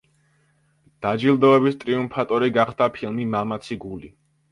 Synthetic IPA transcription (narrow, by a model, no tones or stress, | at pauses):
d̪̥ad͡ʒilˠd̪ɔɛbist̪ʼɾiumpʰat̪ʼɔɾiɡaχd̪apʰilˠmimamat̪sʰiɡuli